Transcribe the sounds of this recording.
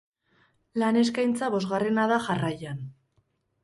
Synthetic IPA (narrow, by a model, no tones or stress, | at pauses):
lane̞skajnt͡saβo̞zɣare̞naðaʝarajan